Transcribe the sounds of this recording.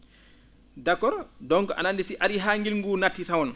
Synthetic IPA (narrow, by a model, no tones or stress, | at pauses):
dakːɔɾdɔŋkɔʔa̰nandisiʔaɾiɦaŋɡilŋɡunatːitawɔn